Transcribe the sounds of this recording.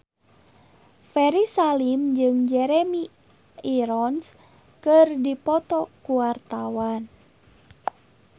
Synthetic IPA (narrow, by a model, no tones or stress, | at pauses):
fɛɾisalimd͡ʒɨŋd͡ʒɛɾɛmi | iɾɔns | kɨrdipɔt̪ɔkuwart̪awan